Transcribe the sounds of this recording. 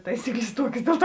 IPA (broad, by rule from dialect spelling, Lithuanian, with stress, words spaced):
ˈtɐɪsʲiːkˌlʲeːs ˈtuɔkʲeːs ˈdʲeːlˠ ˌtuɔ